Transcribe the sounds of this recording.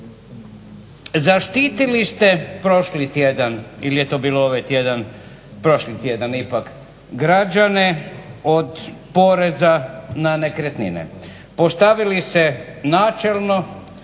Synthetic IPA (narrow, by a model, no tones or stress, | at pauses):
zaʃt̪iːt̪ilist̪e̞pɾo̞ʃlit̪jed̪aniljet̪o̞ːbiːlooʋajt̪jed̪an | pɾo̞ʃlit̪jed̪anipak | ɡɾad͡ʒane̞od̪po̞ɾe̞zananekɾet̪nḭnḛ | po̞st̪aʋilise̞naːt͡ʃe̞lˠno̞